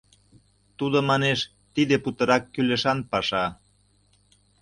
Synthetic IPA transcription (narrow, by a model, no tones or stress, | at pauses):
t̪ud̪omɑneʃ | t̪id̪eput̪ə̆ɾɑkːyleʃɑnpɑʃɑ